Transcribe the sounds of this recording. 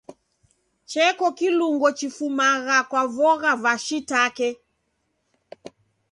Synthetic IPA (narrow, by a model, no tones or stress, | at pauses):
t͡ʃɛkɔkiluŋɡɔt͡ʃifumaɣakwavɔɣavaʃitakɛ